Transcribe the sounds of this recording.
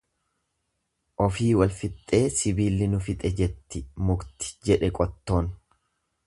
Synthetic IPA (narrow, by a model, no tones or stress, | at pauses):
ʔɔfiːwɐlfɪt̪ʼːe̞ːsɪbiːlːɪnʊfɪt̪ʼɛd͡ʒɛt̪ːɪmʊɡt̪ɪ̥d͡ʒɛᶑɛkʼɔt̪ːo̞ːn